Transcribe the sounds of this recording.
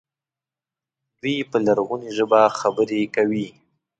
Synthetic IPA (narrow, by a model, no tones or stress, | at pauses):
d̪wipəlaɾɣuniʒəbaxabəɾekawi